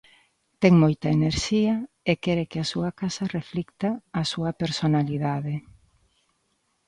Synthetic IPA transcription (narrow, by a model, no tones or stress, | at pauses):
t̪ɛŋmojt̪ɐeneɾʃiɐ | ekɛɾekɪasuɐkasɐreflikt̪aːsuɐpeɾsonaliðaðe